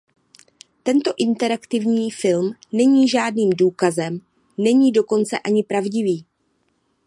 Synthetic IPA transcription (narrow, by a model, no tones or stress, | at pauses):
t̪ɛnt̪o̞ʔɪnt̪ɛɾakt̪ɪvɲiːfɪlmnɛɲiːʒaːdniːmduːkazɛm | nɛɲiːdo̞ko̞nt͡sɛʔaɲɪpɾavɟɪviː